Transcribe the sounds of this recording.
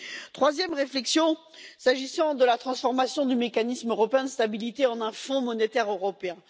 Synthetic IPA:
t̪χwazjɛmʁeflɛksjɔ̃ | saʒisɑ̃d̪əlat̪χɑ̃sfɔʁmasjɔ̃d̪ymekanismøʁɔpeɛ̃d̪əst̪abilit̪eɑ̃nɛ̃fɔ̃mɔnet̪ɛʁøʁɔpeɛ̃

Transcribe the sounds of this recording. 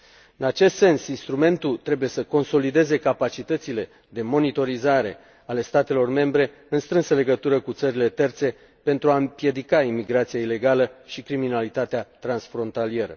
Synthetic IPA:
ɨnat͡ʃe̞st̪se̞nsinst̪ɾume̞nt̪ult̪ɾe̞buje̞səko̞nso̞lid̪e̞ze̞kapat͡ʃit̪ət̪sile̞ | d̪e̞mo̞nit̪o̞ɾizaɾe̞ | ale̞st̪at̪e̞lo̞rme̞mbɾe̞ | ɨnst̪ɾɨnsəle̞ɡət̪uɾəkut̪səɾile̞t̪e̞rt̪se̞ | pe̞nt̪ɾuaɨmpje̞d̪ikaimiɡɾat̪sijaile̞ɡaləʃikɾiminalit̪at̪eat̪ɾansfɾo̞nt̪alije̞ɾə̰

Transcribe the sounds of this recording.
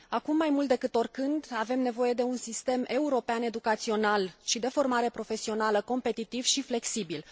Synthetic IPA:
akumːajmult̪̚d̪e̞kɨt̪o̞rkɨnd̪ave̞mne̞vo̞je̞d̪e̞unsist̪e̞me̞uɾo̞peane̞d̪ukat̪sio̞nalʃid̪e̞fo̞rmaɾe̞pɾo̞fe̞sio̞naləko̞mpe̞t̪it̪ivʃifle̞ksibil

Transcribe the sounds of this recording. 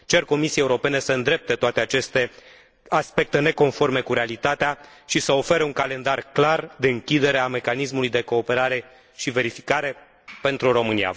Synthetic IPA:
t͡ʃe̞rko̞misiejeuɾo̞pe̞ne̞səɨnd̪ɾe̞p̚t̪e̞t̪oat̪e̞at͡ʃe̞st̪e̞ | aspe̞k̚t̪e̞ne̞ko̞nfo̞rme̞kuɾealit̪at̪eaʃisəo̞fe̞ɾeuŋkale̞nd̪arklard̪e̞ɨŋkʲid̪e̞ɾe̞ame̞kanis̬mulujd̪e̞ko̞ːpe̞ɾaɾe̞ | ʃive̞ɾifikaɾe̞ | pe̞nt̪ɾuɾo̞mɨnḭa̰

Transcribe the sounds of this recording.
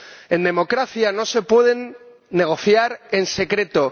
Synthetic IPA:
e̞nd̪e̞mo̞kɾaθjano̞se̞pwe̞ðe̞nː | e̞ɣ̞o̞θjaɾe̞nse̞kɾe̞t̪o̞

